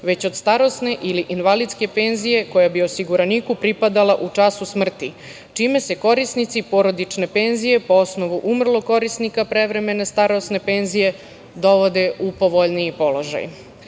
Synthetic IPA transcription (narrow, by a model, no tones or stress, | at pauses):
ʋe̞t͡ɕo̞d̪st̪aɾo̞sne̞ʔiliʔinʋalid̪ske̞pe̞nzije̞ko̞jabio̞siɡuɾanikupɾipad̪alaʔut͡ʂasusmr̩t̪i | t͡ʃime̞se̞ko̞ɾisnit̪sipo̞ɾo̞d̪it͡ʃne̞pe̞nzije̞po̞o̞sno̞ʋuʔumr̩lˠo̞ko̞ɾisnikapɾe̞ʋɾe̞me̞ne̞st̪aɾo̞sne̞pe̞nzije̞ | d̪o̞ʋo̞d̪e̞upo̞ʋo̞ʎnijipo̞lo̞ʒa̰j